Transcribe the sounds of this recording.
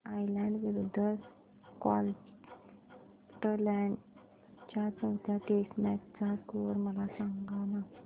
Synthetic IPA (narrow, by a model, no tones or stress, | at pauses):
ajlɛ̃ɳɖʋiɾud̪ʱːə | ka̰l | ʈəlɛɳɖ | t͡ɕjat͡səwt̪jaʈesmaʈ̚t͡sakoɾməlasaŋɡana